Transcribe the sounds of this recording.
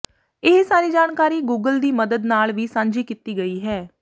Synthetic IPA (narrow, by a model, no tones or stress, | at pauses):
ɪɦsaːɾiːd͡ʒaːɳkaːɾiːɡuːɡəld̪iːməd̪əd̪naːlʋiːsãːɲd͡ʒiːkit̪iːɡəiːɦɛː